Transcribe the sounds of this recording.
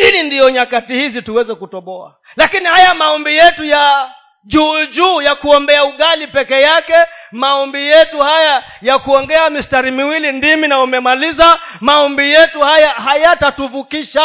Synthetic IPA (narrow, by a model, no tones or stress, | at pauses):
hilindijɔɲakatihizituwɛzɛkutɔɓɔa̰ | lakinihajamaɔmbijɛtuja | ʄuːd͡ʒuːjakuɔmbɛauɠalipɛkɛjakɛmaɔmbijɛtuhaja | jakuɔŋɡɛamistaɾimiwilindiminaumɛmalizamaɔmbijɛtuhajaɦajatatuvukiʃa